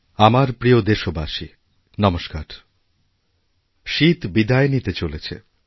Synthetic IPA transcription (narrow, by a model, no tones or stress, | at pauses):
amaɾpɾiod̪eʃobaʃi | nɔmoʃkaɾ | ʃit̪bid̪aenit̪et͡ɕolet͡ɕʰḛ